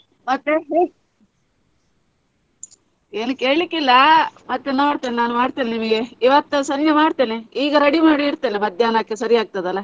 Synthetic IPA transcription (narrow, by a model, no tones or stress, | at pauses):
mɐt̪ːe | eːnukeːɭikːilːɐmɐt̪ːenoːɽt̪eːnenaːnumaːɽt̪eːnenimɐɡe̞iʋɐt̪ːusɐnɡemaːɽt̪eːneiːɡɐɾɐɽimaːɽiːɾt̪eːnemɐd̪ʱjaːnɐkːesɐɾiaːɡ̚t̪ɐd̪ɐlːɐ